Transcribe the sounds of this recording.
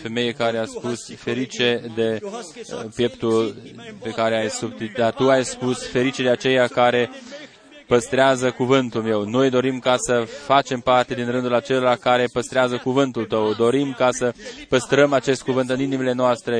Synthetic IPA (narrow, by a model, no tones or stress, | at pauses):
fe̞me̞jekaɾeaspusfe̞ɾit͡ʃe̞d̪e̞ | pje̞pt̪ulpe̞kaɾeajsub̚t̪it̪̚d̪at̪uajspusfe̞ɾit͡ʃe̞d̪eat͡ʃe̞jakaɾe̞ | pəst̪ɾeazəkuvɨnt̪ulme̞wno̞jd̪o̞ɾimkasəfat͡ʃe̞mpart̪e̞d̪inɾɨnd̪ulat͡ʃe̞loɾakaɾe̞pəst̪ɾeazəkuvɨnt̪ult̪əwd̪o̞ɾimkasəpəst̪ɾəmat͡ʃe̞st̪̚kuvɨnt̪ɨninimile̞noast̪ɾe̞